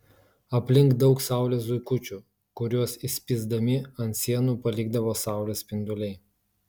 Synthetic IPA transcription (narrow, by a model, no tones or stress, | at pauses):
ɐpʲlʲɪŋkd̪ɒʊksɑˑʊlʲeːsʊɪkʊt͡ʃʲuˑ | kʊɾʲuɔsɪsʲpʲiːzd̪ɐmʲɪɐnt̪sʲiɛnuːpɐlʲiːɡ̚d̪ɐʋoːsɑˑʊlʲeːspʲɪnd̪ʊlʲɛɪ